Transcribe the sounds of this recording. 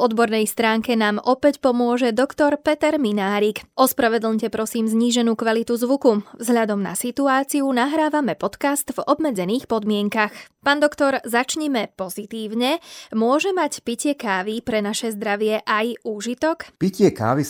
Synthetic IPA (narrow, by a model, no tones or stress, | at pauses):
vɔd̪bɔɾnɛjst̪ɾaːŋkɛnaːmɔpɛcpɔmʊɔʒɛd̪ɔkt̪ɔɾpɛt̪ɛɾminaːɾikʔɔspɾaʋɛd̪l̩ɲcɛpɾɔsiːmzɲiːʒɛnuːkʋalit̪uzʋukuvzɦlʎad̪ɔmna̰sit̪uaːt͡siunaɦɾaːʋamɛpɔt̪kast̪vɔbmɛd͡zɛniːxpɔd̪mɪɛŋkaxpaːnd̪ɔkt̪ɔɾzat͡ʃɲimɛpɔzit̪iːʊɲɛmʊɔʒɛmacpicɪɛkaːʋipɾɛnaʃɛzd̪ɾaʋɪɛʔajuːʒit̪ɔkpicɪɛka̰ːʋi